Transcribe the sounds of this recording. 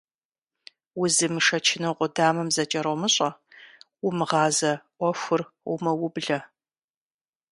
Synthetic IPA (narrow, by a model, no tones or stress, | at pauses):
wʊzɨmɨʂɐt͡ʃʰɪnɐqʷʼʊdaːmɐmzɐt͡ʃʼɐɾomɨɕʼɐwʊmɨʁɑːzɐʔʷɔxʷʊrʷʊmɐwʊbɮɐ